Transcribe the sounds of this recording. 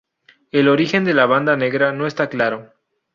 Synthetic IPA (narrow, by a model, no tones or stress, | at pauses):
e̞lo̞ɾixe̞nd̪e̞laβ̞and̪ane̞ɣɾano̞e̞st̪aklaɾo̞